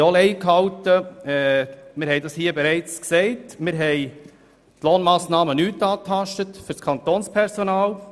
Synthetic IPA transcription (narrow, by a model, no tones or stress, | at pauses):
olɛɪkhɑwtəɛmɪɾhɛɪdɑshiːəbɛɾɛɪt͡sksɛɪtmɪɾɦɛɪ | tloːnmɑːsnɑːmənyːtɑːtʰɑʃtətfʏɾskʰɑnt̪oːnspʰɛɾsonɑːl